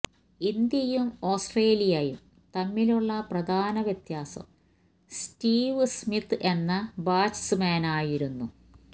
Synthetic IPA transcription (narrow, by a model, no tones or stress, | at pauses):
ind̪jɐjumo̞ːsʈreːlijajum | t̪ɐmːiluɭːɐprɐd̪ʱaːnɐʋjɐt̪jaːsɐ̰m | stiːʋsmit̪ʰːʔe̞nːɐbaːt͡ɕsɨmaːnaːjiɾunːu